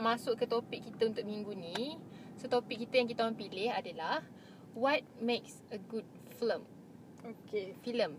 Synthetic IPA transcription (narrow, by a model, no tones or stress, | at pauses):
mãsʊʔkːət̪opik̚ːit̪əunt̪ʊk̚mĩŋɡunisot̪opikːit̪ajaŋkit̪aoaŋpilɪhadəlah | wat̚meks | əɡud̚ | flə̃m | okefilə̃m